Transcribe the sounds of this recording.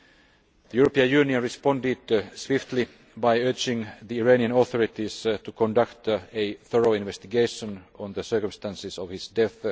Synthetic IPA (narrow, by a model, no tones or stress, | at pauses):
ðəjuːɹopiə̃njʉːniə̃nɹɪspɔ̃ndɪdswɪft̪ʰli | baɪøːd͡ʒɪ̃ŋðiːɹeniə̃nɔθɔɹɪt̪istukʰɔ̃ndakt̪eθɔɹoʊɪ̃nʋɛst̪ɪɡeɪʃə̃nɔ̃nðəsɜ˞kə̃mst̪æ̃nsɪsɔʋhɪsdɛθ